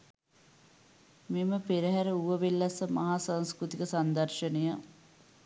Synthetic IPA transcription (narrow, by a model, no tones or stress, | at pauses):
meməpeɾəɦæɾəuʋəʋelːɐsəmaɦaːsanskɾut̪ikəsand̪ɐrʃənejə